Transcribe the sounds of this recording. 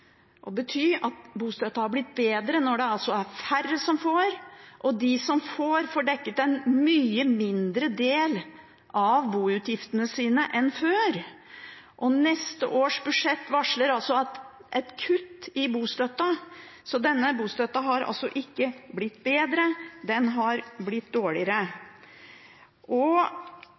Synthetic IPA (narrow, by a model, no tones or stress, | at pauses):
ʔɔbət̪ʰyːɾɑt̪buːst̪œt̪ːɑhɑɾblɪt̪̚ːbeːd̪ɾənɔɖɛɑlsɔæɾfærːəsɔmfoːɾʔɔd̪ɪsɔmfoːɾfoːɖɛkːət̪ɛnmyːəmɪnd̪ɾəd̪eːl | ʔɑʋbuːʉt̪jɪft̪ənəsiːnəʔɛnføːɾ | ʔɔnɛst̪əʔoːʂbʉʂɛt̪ːʋɑʂləɾɑlsɔɑt̪ʔɛt̪kʰʉt̪ːɪbuːst̪œt̪ːɑsɔd̪ɛnːəbuːst̪œt̪ːɑɦɑɾɑ̰lsɔ̰ʔɪkːəblɪt̪ːbeːd̪ɾəd̪ɛnɦɑɾblɪt̪d̪oːɭɪəɾə | ʔɔ